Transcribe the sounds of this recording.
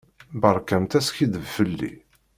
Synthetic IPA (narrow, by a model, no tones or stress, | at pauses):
bəɾˤkæmt̪æsçiðəvfəlːḭ